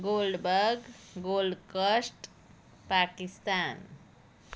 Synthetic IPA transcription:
ɡolɖbəɾɡ | ɡolɖkəsʈ | pakist̪an

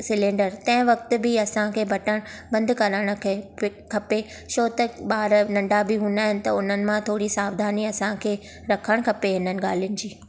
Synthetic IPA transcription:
sɪlẽːɳɖəɾt̪ɐ̃ɦɪ̃ʋɐk̚t̪ʊ̆bɪɐsãkʰeːbʱɐʈəɽ̃bɐ̃nd̪ʱkɐɾəɽ̃ʊ̆kʰkʰɐpe | ʃoːt̪ɐɓaːɾnɐ̃ɳɖabɪɦũnd̪aːɦɪ̃nɪ̆t̪ɐʊn̤ənɪ̆mãt̪ʰoːɽisaːʋd̪ʱaːniɐsãkʰeː | ɾɐkʰəɽ̃kʰɐpeɦɪnənɪ̆ɠaːl̤ijʊnɪ̆d͡ʑiː

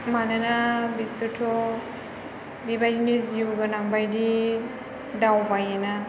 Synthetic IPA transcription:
mananabisutʰɔ | dibajdiniziuɡɯnaŋbajdi | dawbajana

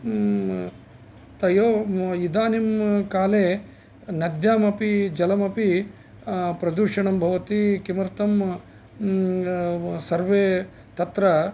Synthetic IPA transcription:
t̪ɐjoːid̪aːnimkaːleː | nɐd̪jaːmɐpid͡ʒɐlɐmɐpi | pɾɐd̪uːʂɐɳɐmbʱɐʋɐt̪ikimɐɾt̪ɐm | sɐɾʋeː | t̪ɐt̪ɾɐ

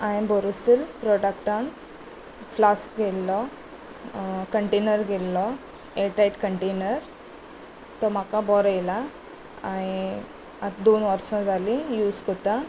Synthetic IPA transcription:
ãĩbɔɾusilpɾɔʈakʈãn | flaskɡʱelːɔ | kəɳʈenəɾɡʱelːɔ | eʈɾajʈkəɳʈenəɾ | t̪ɔm̤akabɔɾəjla | aɽ̃i | at̪d̪onʋəɾsɔ̃d͡zʱalĩjud͡zkɔt̪ã

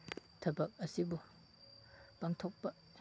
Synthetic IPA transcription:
tʰɐbɐk̚ɐsibu | paŋtʰok̚pɐ

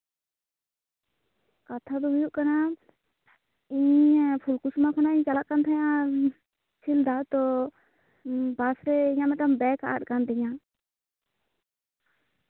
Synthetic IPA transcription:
kat̪ʰad̪ɔɦujuʔkana | iɲpʰulkusmakʰanaiɲt͡ʃalaʔkant̪ʰajã | t͡ʃʰild̪at̪ɔ | basɾɛiɲamɛt̪ambɛkaʔaɗ̚kand̪ɛɲa

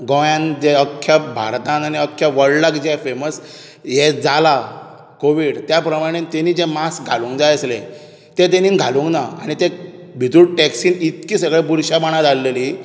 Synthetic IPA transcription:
ɡə̃jãnd͡ʑeəkʰːjabʱa̰ɾt̪ãnaniəkʰːjaʋəɽlakd͡ʑafeməs | jɛd͡zala | koʋiɽt̪japɾəmaɽ̃ent̪eniːd͡zemasɡʱalũŋɡd͡zajəslẽ | t̪et̪̬eninɡʱalũŋɡnaaɽ̃it̪ẽ | bʱit̪uɽʈɛksiːnit̪kiːsəɡɭepuɾɕabaɽ̃ãt̪alːeli

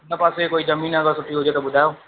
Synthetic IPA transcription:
nəpaːsekoːiːzəmiːnəɡəɾsʊʈ̪ʰiɦoːd͡ʒaːt̪obʊd̪ʱaːjoː

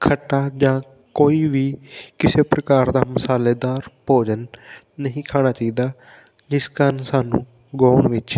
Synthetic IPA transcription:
kʰəʈːaːd͡ʒãː | koːiːʋiːkɪseːpɾəkaːɾd̪aːməsaːleːd̪aːɾpoːd͡ʒənː | əɦĩːkʰaːnaːt͡ʃaːiːd̪aː | d͡ʒɪskənsaːnũː | ɡoːɳʋɪt͡ʃ

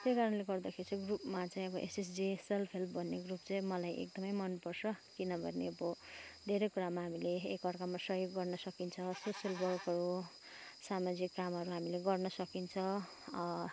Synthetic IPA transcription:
t̪ejkaɾʌnleɡʌrd̪akʰeɾit͡saĩɡrupmat͡saĩʌbʌʔeses̬d͡ziselpʰelpʰbʱʌnːeɡrup̚t͡saĩmʌlajʔḛk̚d̪ʌmʌjmʌnpʌrsʌkinʌbʱʌneʌbʌd̪ʱeɾʌjkuɾamaɦamileːkʌrkamːasʌɦjoɡːʌrnʌsʌkint͡sʰʌsosjʌlwʌrkɦʌɾu | samad͡zikːamɦʌɾuɦamileɡʌrnʌsʌkint͡sʰʌ

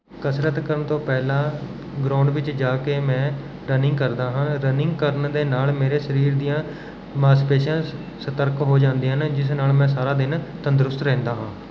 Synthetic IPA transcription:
kəsɾət̪kəɾəɳt̪õːpɛːlãː | ɡɾaːɳɖʋɪt͡ʃd͡ʒaːkeːmɛ̃ː | ɾənɪ̃ŋɡkəɾd̪aːɦãːɾənɪ̃ŋɡkəɾənd̪eːnaːlmeːɾeːʃəɾiːɾd̪ijãː | mãːspeːʃãː | sət̪əɾkɦoːd͡ʒãːnd̪iːɦənd͡ʒɪs̬naːlmɛ̃ːs̬aːɾaːd̪ɪnt̪ənd̪ɾʊst̪ɾɛ̃ːnd̪aːɦãː

